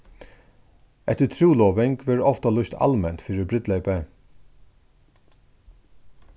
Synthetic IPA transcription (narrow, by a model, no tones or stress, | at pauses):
ɛt̪ət̪ʰɾuːlɔːʋɪŋkʋɪɾɔft̪alʊst̪ʰɑ̰lmɛnt̪fiːɾɪbɾɪt̪lɛɪpɛ